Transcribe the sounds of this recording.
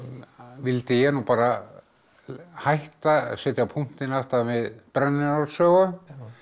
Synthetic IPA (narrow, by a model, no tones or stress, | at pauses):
vɪlt̪ɪjɛnupaːɾa | hajht̪asɛt̪japʰun̥t̪ɪnaft̪avɪðpɾanːɪnɔlsœːɣʏ